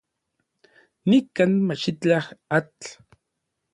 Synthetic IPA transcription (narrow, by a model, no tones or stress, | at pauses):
nikanmat͡ʃit͡ɬahat͡ɬ